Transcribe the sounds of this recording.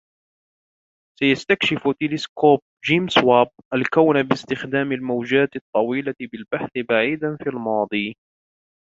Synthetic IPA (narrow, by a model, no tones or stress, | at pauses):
sajast̪akʃɪft̪ɪlɪskoːp̚d͡ʒiːmswaːb̚ʔalkawnabɪst̪ɪxd̪aːmalmawd͡ʒaːt̪ɪt̪ˤːɑwiːlaɪbɪlbaħθɪbaʕiːd̪anfiːalmɑːd̪ˤiː